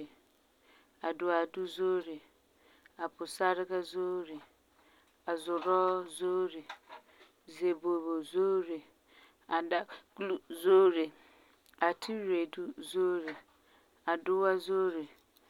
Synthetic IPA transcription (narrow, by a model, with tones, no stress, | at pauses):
e˨ | a˨dʊ˨a˨du˦zo˦ɾe˨ | a˨pʰʊ˨sa˦ɾɪ˦ka˦zo˦ɾe˨ | a˨zʊ˨ɾɔ˦zo˦ɾe˨ | ze˨bo˨bo˨zo˦ɾe˨ | a˨da˦ɡlu˦zoː˦ɾe˨ | a˨tʰi˦ɾe˨du˦zo˦ɾe˨ | a˨dʊ˦wa˦zo˦ɾe˨